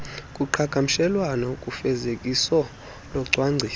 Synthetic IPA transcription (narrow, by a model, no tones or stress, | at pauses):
kʼuǃʰakʰʼam̩ʃɛlwanɔkʼufɛzekʼisɔ | lɔǀʱwaŋ͡ǀʱiː